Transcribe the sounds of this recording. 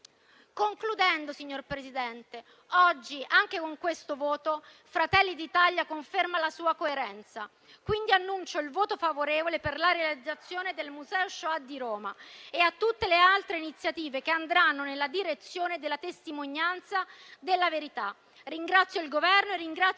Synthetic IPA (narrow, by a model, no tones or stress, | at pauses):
koŋklud̪ɛnd̪osiɲːorpɾezid̪ɛnt̪e | ɔd͡ʒːiʔaŋk̟ekoŋkwest̪ovoːt̪o | fɾat̪ɛlːid̪it̪aljakoɱfermalasuːakoeɾɛnt̪sa | kwind̪ianːunt͡ʃoilvoːt̪ofavoɾeːvoleperlaɾealid̪zːat̪sːjoːned̪elmuzɛːoʃoad̪ːiɾoːma̰eat̪ːut̪ːelealt̪ɾeinit̪sːjat̪iːvekeand̪ɾanːonelːad̪iɾet̪sːjoːned̪elːat̪est̪imoɲːant̪sad̪elːaveɾit̪a | riŋɡɾat̪sːjoilɡovɛrnoerːiŋɡɾa